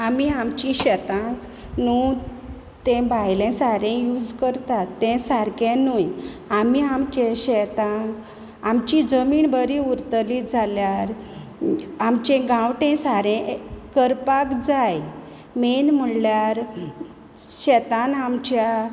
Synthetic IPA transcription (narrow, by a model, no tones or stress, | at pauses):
amiamt͡ɕĩɕɛt̪ãk | nu | t̪ɛ̃bʱajlẽsaɾɛ̃jud͡zkəɾt̪at̪ːɛ̃saɾkẽnuj | amiamt͡ɕeɕɛt̪ãk | amt͡ɕid͡zəmiːnbəɾĩuɾt̪liːd͡zʱaljaɾ | amt͡ɕẽɡãwʈẽsaɾɛ̃kəɾpakd͡zaj | menm̤əljaɾ | ɕɛt̪anamt͡ɕja